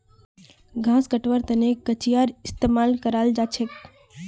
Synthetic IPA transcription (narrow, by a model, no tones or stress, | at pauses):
ɡʱãːskəʈʋəɾt̪əneət͡ʃijaɾɪst̪emalkəɾald͡ʒat͡ʃʰek